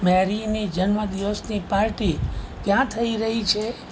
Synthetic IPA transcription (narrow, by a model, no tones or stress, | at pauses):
mɛɾinid͡ʒənməd̪iʋəsnipaɾʈikjãt̪ʰəiɾəɦit͡ʃʰe